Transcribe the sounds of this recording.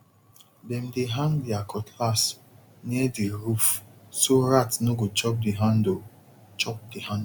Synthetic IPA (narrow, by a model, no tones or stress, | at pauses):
bɛm̩deɦãndiakʰɔtʰlas | niɛdiɾufsoɾatnoɡot͡ʃɔp̚diɦãndo | t͡ʃɔp̚dihãnd